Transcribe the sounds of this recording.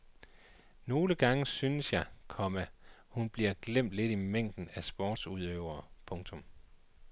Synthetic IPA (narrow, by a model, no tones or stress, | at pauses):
no̝ːləɡ̥ɑ̈ŋəsynəsjɑ̈ɪkʰɒ̽mæhunb̥liɐɡ̥lem̰d̥le̝dimeŋ̰d̥n̩æsb̥ɒɔːd̥suðˠøʊ̰ɐːpʰɔ̽ŋt͡sʰɔ̽m